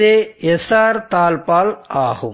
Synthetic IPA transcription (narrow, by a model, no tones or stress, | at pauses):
eːɛsaːɾt̪aːlpaːlaːɣɯ̰m